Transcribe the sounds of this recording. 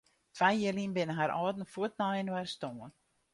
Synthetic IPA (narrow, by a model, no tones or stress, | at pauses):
fajjəlinbɪnəɦaɾʔɔːtn̩fuət̚naɪnwarstoːən